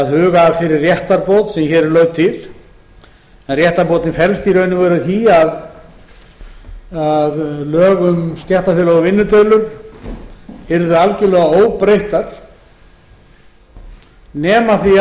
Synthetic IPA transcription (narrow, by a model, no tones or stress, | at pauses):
aðhʏːɣafɪɾɪrrːjɛht̪aɾpoːwt̪sɛmçɛːɾɛlœːɥɣt̪ʰɪl | ɛnrjɛht̪aɾpowt̪nɪnfɛɾlst̪iːɾœɥnɪvɛːɾʏθiað | aðlœːɣʏmst̪jɛht̪afjɛlɔɣʏvɪnːʏt̪ɛðlʏɾ̥ | ɪɾðʏalcɪlɛːɣaoːwpɾejht̪aɾ̥ | nɛːmaθi